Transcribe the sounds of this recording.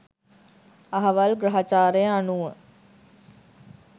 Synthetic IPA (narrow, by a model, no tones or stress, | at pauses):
ɐɦɐʋɐlɡɾɐɦat͡ʃaːɾejəanuʋə